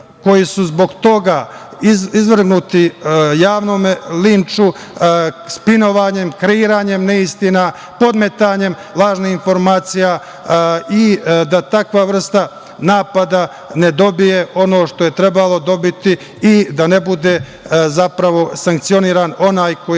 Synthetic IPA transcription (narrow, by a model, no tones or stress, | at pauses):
ko̞jisuzbo̞ɡt̪o̞ɡa | iizʋr̩ɡnut̪ijaːʋnoːmlint͡ʃu | spino̞ʋaːɲe̞mkɾeiːɾaːɲe̞mneist̪ina | po̞d̪me̞t̪aːɲe̞m | lˠaːʒniinfo̞ɾmaːt̪sija | id̪at̪akʋaʋr̩st̪a | naːpad̪a | ne̞d̪o̞bijeʔo̞no̞ːʃt̪o̞jet̪ɾe̞balo̞d̪o̞bit̪i | id̪anebud̪e | zapɾaʋo̞saŋk̚t̪sio̞niːɾano̞naːjko